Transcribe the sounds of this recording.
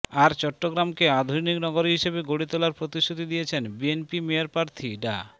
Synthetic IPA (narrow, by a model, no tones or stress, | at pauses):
aɾt͡ɕɔʈːoɡɾamkead̪ʱuniknɔɡoɾɦiʃebeɡoɽit̪olaɾpɾot̪iʃʈːut̪id̪ijet͡ɕʰenbienpimeaɾpɾaɾt̪ʰiɖa̰